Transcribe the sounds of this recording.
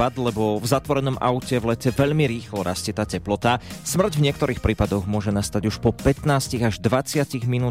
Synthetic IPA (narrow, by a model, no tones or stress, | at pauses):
ad̪lɛbɔvzat̪ʋɔɾɛnɔmʔa̰ʊcɛvlɛcɛʋɛʎmiɾiːxlɔɾʔascɪɛt̪aːcɛplɔt̪asmr̩ɟvɲɪɛk̚t̪ɔɾiːxpɾiːpad̪ɔɣmʊɔʒɛnast̪aɟuʃpɔpɛt̪naːsciɣaʒd̪ʋat͡sɪaciɣminuː